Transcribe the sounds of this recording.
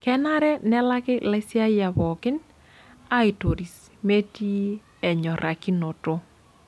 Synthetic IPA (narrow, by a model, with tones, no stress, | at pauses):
kɛ˦na˦ɾɛ˦nɛ˦la˦kɪ˦la˦sja˦ja˨βɔ˨kɪ˦n | a˦ɪ˨to˨ɾi˨s | me˦ti˦ | ɛ˨ɲɔ˨ɾʔa˨ki˦no˨to˦